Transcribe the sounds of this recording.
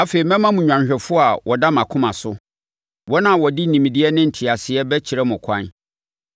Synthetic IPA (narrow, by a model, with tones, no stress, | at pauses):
a˦fe˨ɾi˨mɛ̃˦mã˦mũ˨ɲᶣ˨ã˨nɕᶣɛ˨fʊ˦a˨wʔɔ˨da˦mã˨kʰʊ̃˦mã˨sʊ˦ | wɔ˦nã˦˨wɔ˨di˦nĩ˨mĩ˨dɪ˦ɛ˦nɪ̃˦n̩˨tʰi˨a˨sɪ˨ɛ˦bɛ˦t͡ɕʰi˨ɾɛ˦mʊ̃˨kʰã̰˦n